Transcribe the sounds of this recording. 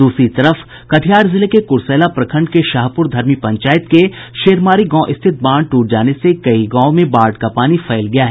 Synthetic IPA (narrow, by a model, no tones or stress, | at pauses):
d̪uːsɾit̪ɐɾəf | kɐʈʰijaːɾzɪlekekʊɾsɛːlapɾɐkʰə̃ɳɖkeʃaːɦpʊɾd̪ʱɐɾmipɐ̃ɲt͡ʃaːjɪt̪keʃeːɾmaːɾiɡɔ̃ːʔɪst̪ʰɪt̪̚bãːɳɖ̚ʈuːʈ̚d͡ʒaːnesekɐiɡãːmẽbaːɾɖkapaːnifʰɛːlɡɐjaːɦɛ